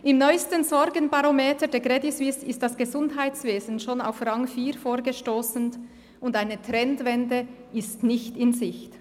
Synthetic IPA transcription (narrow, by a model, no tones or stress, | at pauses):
ʔɪmnɔʏstənzɔɾɡənbaɾomeːtədɛːɐɡʁɛdisvɪsɪstd̥asɡ̥əzʊndɦaɪtt͡sveːzn̩ʃoːna̰ʊfrɑŋfiːɾfoːɾɡəʃtoːsn̩ | ʊndaɪnətɾɛntvɛndə | ɪstnɪçtɪnzɪçt